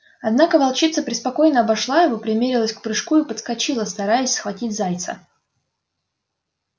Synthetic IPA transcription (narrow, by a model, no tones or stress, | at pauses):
ɐd̪nakəvɐlˠt͡ɕit̪səpɾʲɪspɐko̞jnəɐbɐʂlˠajɪvo̞pɾʲɪmʲeɾʲɪlˠəsʲkpɾɨʂkuipət̪skɐt͡ɕilˠəst̪ɐɾajəsʲsxvɐtʲitʲzajt̪sə̰